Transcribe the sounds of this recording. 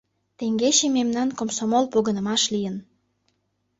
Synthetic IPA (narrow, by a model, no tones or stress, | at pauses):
t̪eŋɡeɕememnɑnkomsomolpoɣənə̆mɑʃlijən